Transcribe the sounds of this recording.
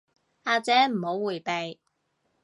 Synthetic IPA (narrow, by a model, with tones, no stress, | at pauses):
aː˨˧t͡sɛː˨˥m̩˨˩ho˨˥wuː˨˩jpe˨j